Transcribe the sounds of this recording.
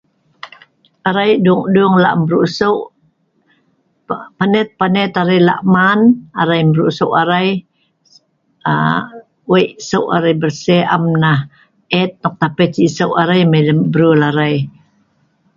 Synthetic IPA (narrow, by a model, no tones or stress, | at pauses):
ʔaɾajduŋduŋla̰ʔmbɾusəʔ | panɛt̪̚panɛt̪aɾajla̰ʔmanaɾajmbɾuʔsəwʔaɾaj | a̰ | wejʔsəwʔa̰ɾajbərsɛʔa̰mnah | ɛt̪̚nɔk̚t̪apɛt͡ʃisəwʔaɾajmeləmbɾulaɾaj